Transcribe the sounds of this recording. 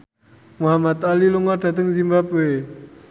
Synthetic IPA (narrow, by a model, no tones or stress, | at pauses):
muɦamat̪aliluŋɔrd̥a̤t̪əŋzimbape